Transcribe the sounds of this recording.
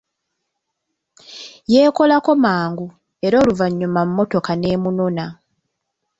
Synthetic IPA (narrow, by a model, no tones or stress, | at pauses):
je̞ːko̞lako̞maːŋɡu | e̞ɾo̞ːluvaɲːumamumːo̞to̞kane̞ːmunona